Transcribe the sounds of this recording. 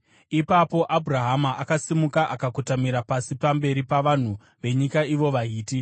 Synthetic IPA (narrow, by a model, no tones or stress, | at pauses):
ipapo̞ʔabʱuraɦamaʔakasimukaʔakakutamiɾapasipambe̞ɾipaʋan̤u | ʋe̞ɲikaiʋo̞ʋaiːti